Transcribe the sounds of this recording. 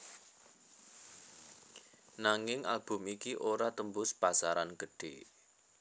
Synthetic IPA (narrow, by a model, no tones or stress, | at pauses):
naŋɪŋʔa̰lb̥ʊ̤mikiʔoɾat̪əmbʊspasaɾanɡəɖ̥e